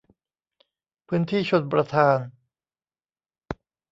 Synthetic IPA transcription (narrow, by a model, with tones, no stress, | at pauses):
pʰɯː˦˥nt̪ʰiː˥˩t͡ɕʰo˧˩t̪̚pɾa˧t̪ʰaː˧n